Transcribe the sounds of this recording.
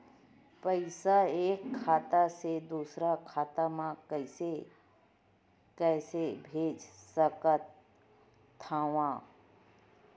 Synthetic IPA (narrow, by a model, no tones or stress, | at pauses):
pəɪsaeːkʰːaːt̪ased̪uːsɾakʰaːt̪amãkəɪse | kɛːsebʱeːd͡ʒsəkət̪ʰ | aːʋãː